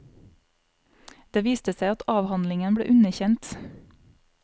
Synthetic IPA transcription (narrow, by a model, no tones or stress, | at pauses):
d̪̥eːʋiːst̪əsæɪɑt̪ɑːʋhɑnlɪŋənbɽḛːʔʉnəçɛnt̪